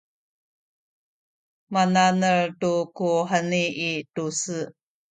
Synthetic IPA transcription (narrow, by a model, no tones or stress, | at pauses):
mananəɭtukuħəniːtusɨ